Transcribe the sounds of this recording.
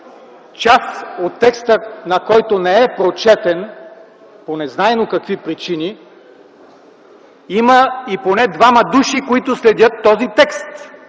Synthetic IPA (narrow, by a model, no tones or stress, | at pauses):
t͡ʃasot̪ːɛkst̪ənɐkɔjt̪onɛɛpɾot͡ʃɛt̪ɛn | ponɛznaɛnokɐkvipɾit͡ʃini | iməiponɛd̪vamɐd̪uʃikoit̪ʊslɛd̪ʲət̪ːɔzit̪ɛkst̪